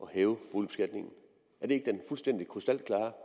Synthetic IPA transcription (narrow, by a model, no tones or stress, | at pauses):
ʔɒ̽hɛːʊb̥o̝ːlib̥esɡ̥æd̥ne̝ŋn̩ | æɐd̥e̝e̝ɡ̥əd̥enfulsd̥en̰d̥ikʰʁosd̥æl̰d̥̚kʰlɑ̈ː